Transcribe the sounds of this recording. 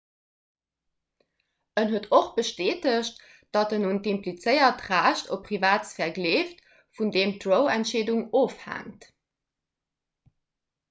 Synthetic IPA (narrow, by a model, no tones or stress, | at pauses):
ʔənɦuətʰoχb̥əʃteːtəɕt | d̥ɑtənuntimplit͡səɪɐtʁaːɕtʰopʰːʁivaːtt͡sfɛɐɡleːft | fundeːmtʁoʊæntʃeːduŋoːfhæ̰ŋt